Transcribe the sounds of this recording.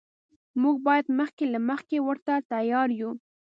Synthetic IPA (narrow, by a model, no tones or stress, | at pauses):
muɡ̚bɑjad̪məxkelaməxkewəɾt̪at̪ajɑɾju